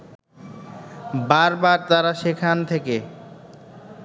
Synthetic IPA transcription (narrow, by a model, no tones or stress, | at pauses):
baɾbaɾt̪aɾaʃekʰant̪ʰeke